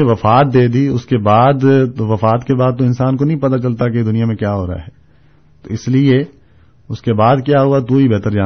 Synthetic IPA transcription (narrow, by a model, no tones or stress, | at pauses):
eʋɐfaːt̪̚d̪eːd̪iʊskebaːd̪ʋɐfaːt̪kebaːd̪̚t̪õɪnsaːnkonɐɦĩpɐt̪at͡ʃɐlt̪aked̪ʊnijamẽkjaːɦoːɾaa̰ɦɛː | t̪oɪslie | ʊskebaːd̪kjaːɦʊat̪uɦibɛɦt̪əɾd͡ʒaː